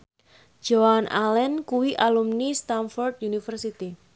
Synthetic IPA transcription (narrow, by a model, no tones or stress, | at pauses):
d͡ʒ̥oanʔalɛnkuwiʔalumnist̪anfɔrd̪junifərsit̪i